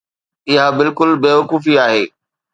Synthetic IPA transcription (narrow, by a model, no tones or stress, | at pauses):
ɪɦabɪlkʊlbeːʋɐkuːfiaːɦeː